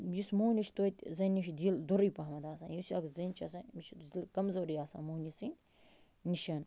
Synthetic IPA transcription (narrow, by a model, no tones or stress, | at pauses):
jismoːnʲiʃt̪oːt̪ʲzɐnʲːiʃd̪ild̪oɾijpɐɦmɐd̪aːsã̰ːjusʲiɐkzɐnt͡ʃʰɐsɐ̃mit͡ʃʰzilkɐmzɐwɾijaːsa̰ːmoːnʲisĩn | niʃɐn